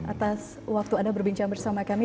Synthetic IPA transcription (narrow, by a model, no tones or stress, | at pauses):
at̪as | wak̚t̪uadabərbiɲt͡ʃaŋbərsamakami